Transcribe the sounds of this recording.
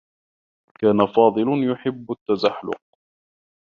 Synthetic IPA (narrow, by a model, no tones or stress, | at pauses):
kaːnafɑːd̪ˤɨljʊħɪbːt̪ːazaħlʊ̰q̚